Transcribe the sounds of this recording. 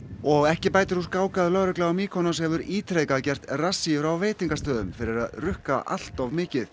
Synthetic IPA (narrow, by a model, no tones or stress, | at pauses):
ɔɣɛhcɪpaːjt̪ɪɾ̥huskaːwkaðlœɣɾɛklaamiːkʰɔnɔshɛvʏɾiːt̪ɾejkaðcɛr̥t̪rasːivɾawveːjt̪iŋkast̪œːðʏmfɪɾɪɾa̰ðrʏhka̰ʔa̰l̥t̪avmɪːcɪθ